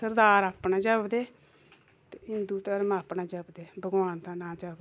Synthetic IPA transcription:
əɾd̪aːɾaːpnaːd͡ʒəbd̪eː | t̪eɦɪnd̪uːt̪əɾmãːpnaːd͡ʒəbd̪eːbəɡwaːnt̪ãːnaːd͡ʒəb̪

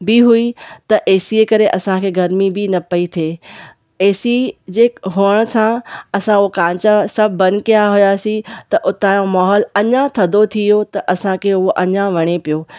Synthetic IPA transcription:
biɦuit̪ɐʔeːsiekɐɾeʔɐsãkʰeːɡʱɐɾmibɪnɐpɐit̪ʰeː | eːsid͡ʑeːkɦoəɽ̃sʰãɐsãʊokãːt͡ɕãsɐbʱːɐ̃nkijaɦʊjaːsĩt̪ɐʔʊt̪aːjõmaːɦɔːlɐɲãt̪ʰɐd̪ot̪ʰijot̪ɐʔɐsãkʰeːʊɦoʔɐɲãʋɐɽ̃epijoː

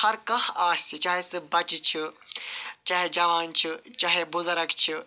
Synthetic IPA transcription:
hɐɾkɐhaːstʰit͡ʃaːɦesɨbɐt͡ʃit͡ʃʰi | t͡ʃaːɦed͡ʒɐʋaːnt͡ʃʰit͡ʃaːɦebʊzɐɾɐkt͡ʃʰi

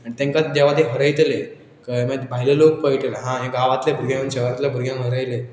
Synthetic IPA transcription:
anĩt̪ẽŋkad̪eʋat̪eɦəɾəjt̪le | kəmebʱailelok̚pəjʈelaɦãɦẽkaʋat̪lebʱuɾɡãmənt͡ɕeat̪lebʱuɾɡjãmɦəɾəjle

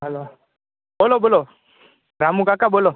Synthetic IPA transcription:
alo | bʊlɔbʊlɔ | ɾamʊkakabʊlɔ

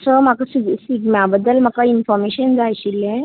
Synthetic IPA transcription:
səmakasiɡsikmabəd̪ːəlm̤akainfɔɾmeɕənd͡zajɕilẽ

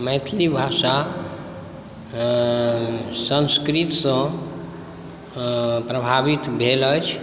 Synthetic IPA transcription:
məjt̪ʰlibʱasa | sə̃nskɾit̪sə̃ | pɾəbʱabit̪bʱelət͡ʃʰ

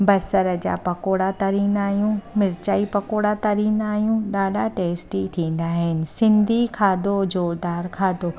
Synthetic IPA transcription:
bɐsəɾə̆d͡ʑa̰ːpɐkoːɽat̪ɐɾiːnaːɦijũmɪɾt͡ɕaːipɐkoːɽat̪ɐɾiːnaːjũɗaːɗaʈeːsʈit̪ʰĩːn̆d̪aɦɪnɪ̆sɪ̃nd̪ʱikʰaːd̪od͡ʑoːɾd̪aːɾkʰaːd̪o

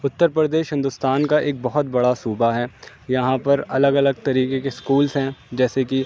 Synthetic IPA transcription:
ʊt̪ːəɾpɾəd̪eːʃɦɪ̃nd̪ʊst̪aːnkaʔeːk̚bɐɦɔt̪̚bɐɽasuːbaɦɛː | jɐɦãpɐɾɐləɡɐləɡ̚t̪ɐɾiːkekeskuːlzɦɛ̃d͡ʒɛːseki

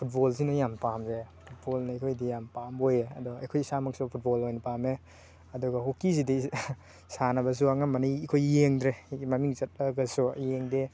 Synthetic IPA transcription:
pʰut̚bɔlsinɔjampamzepʰut̚bolnɐkʰojdijampamojeɐdɔa̰jkʰojsamɐksupʰut̚bɔlojnɐpame | ɐduɡɐhokis̬idi | sanɐbɐs̬uaŋamɐniikʰojjeŋdɾemamiŋzɐt̚laɡɐsujeŋde

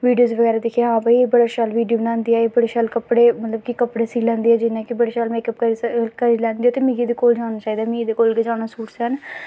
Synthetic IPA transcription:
ʋiːɖijoːzʋəɡɛːɾaːd̪ekʰijaɦãːbaibəɽaːʃaːlʋiːɖioːbnãːnd̪iːɛːeːbəɽeːʃaːlkəpːɽeːmət̪ləbkikəpɽeːsiːlɛ̃ːnd̪eːɛːd͡ʒɪnãːkɪbəɽeːʃaːlmeːkəp̚kəkəɾiːlɛ̃ːnd̪iːɛːt̪eːmɪ̃ɡid̪eːkoːld͡ʒaːʊnaːt͡ʃaːiːd̪aːmɪ̃ɡiːd̪eːkoːlked͡ʒãːʊnaːsuːʈsən

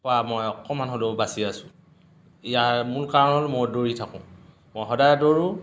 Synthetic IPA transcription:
ɔamɔjɔkɔmanɦolobasiasʊ̃ | ijamulkaɹɔnɔlmojdoɹitʰakʊ̰̃ | mojɦɔdajdoɹũ

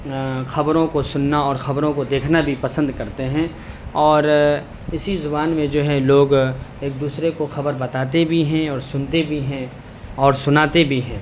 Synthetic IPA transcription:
xɐbɾõkosʊnːaɔːɾxɐbɾõkod̪eːkʰnabʱipɐsə̃nd̪kɐɾt̪eɦɛ̃ | ɔːɾ | ɪsizʊbaːnmẽd͡ʒoːɦɛloːɡeːk̚d̪uːsɾekoxɐbəɾbɐt̪aːt̪ebʱiɦɛ̃ɔːɾsʊnt̪ebʱiɦɛ̃ | ɔːɾsʊnaːt̪ebʱiɦɛ̃ː

